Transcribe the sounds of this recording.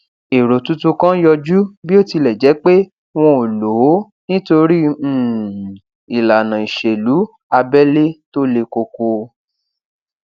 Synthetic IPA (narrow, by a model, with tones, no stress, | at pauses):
e˨ɾo˨tu˦tũ˦kã˦jɔ˧d͡ʒu˦bi˦o˦˨ti˧lɛ˨d͡ʒɛ˨˦k͡pe˦ | w̃ɔ̃˧o˨lo˨˦ | nĩ˦to˧ɾĩ˦˨ | i˨la˨nã˨i˨ʃe˨lu˨˦ | a˧bɛ˦le˦to˦le˧ko˧ko˧